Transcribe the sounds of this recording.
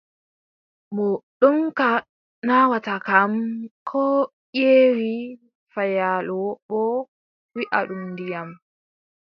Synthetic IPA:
bɔɗɔmka | nawatakamkʰɔ | jeːwi | fajalɔɓɔ | wiʔa̰ɗumdijam

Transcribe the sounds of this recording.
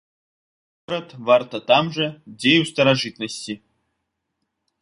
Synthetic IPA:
oɾət̪vɑrt̪ɐt̪ɑmʐɛdʲejust̪əɾaʐɨt̪nəsʲtʲi

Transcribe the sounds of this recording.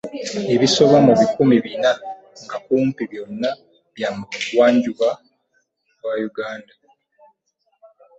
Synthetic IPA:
e̞βiso̞βwamuβikumiβina | ŋɡakuːmpiβjo̞nːa | βjamuwaːɲɟuβa | βwajuɡaːnda

